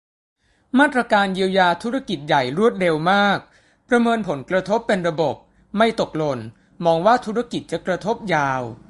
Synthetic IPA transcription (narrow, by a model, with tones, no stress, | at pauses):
maː˥˩t̪̚ɾa˧kaː˧njiː˧əwjaː˧t̪ʰu˦˥ɾa˧˥˩ki˨˩t̪̚ja˨˩jɾu˥˩ət̪̚ɾe˧wmaː˥˩k̚ | pɾa˧mɤː˧npʰo˩˦nkɾa˧t̪ʰo˦˥pːe˧nɾa˧bo˨˩p̚ | ma˥˩jt̪o˨˩k̚lo˧n | mɔː˧ŋwaː˥˩t̪ʰu˦˥ɾa˥˩ki˨˩t̪̚t͡ɕa˨˩kɾa˧t̪ʰo˦˥p̚jaː˧w